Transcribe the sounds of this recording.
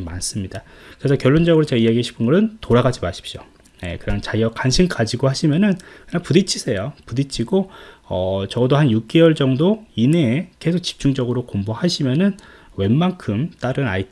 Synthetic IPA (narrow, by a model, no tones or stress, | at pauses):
mans͈ɯmɲida | kɯɾesʰʌkjʌɭːond͡ʑʌɡɯɾot͡ɕeaijaɡieɕʰi̥pʰɯnɡʌɾɯntoɾaɡad͡ʑimaɕʰi̥p̚ɕ͈o | je̞̰kɯɾʌnt͡ɕajʌkanɕʰimkad͡ʑiɡohaɕʰimjʌnɯnkɯɲaŋpudit͡ɕʰisʰe̞jopudit͡ɕʰiɡoʌt͡ɕʌdohanjuk̚k͈ewʌɭd͡ʑʌŋdoineke̞sʰok̚t͡ɕi̥p̚t͡ɕ͈uŋd͡ʑʌɡɯɾokombohaɕʰimjʌnɯn | we̞nmankʰɯmt͈aɾɯna̰itʰ